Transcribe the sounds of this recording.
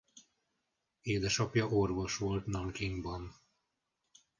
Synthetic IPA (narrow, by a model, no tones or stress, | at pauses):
eːd̪ɛʃɒpjɒʔorvo̞ʃʋo̞lt̪nɒŋkiŋɡbɒn